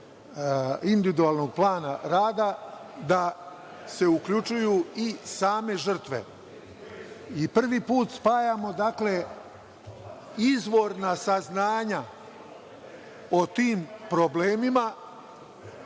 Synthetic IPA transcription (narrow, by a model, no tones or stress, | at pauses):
ind̪iʋid̪uaːlˠno̞ɡ̚plˠaːnaɾaːd̪ad̪a | se̞ukʎut͡ʃujuːisaːme̞ʒr̩t̪ʋe̞̰ | ipr̩ʋipuːt̪spaːjamo̞d̪akle̞ | izʋo̞ɾnasaznaːɲa | ot̪iːmpɾobleːmima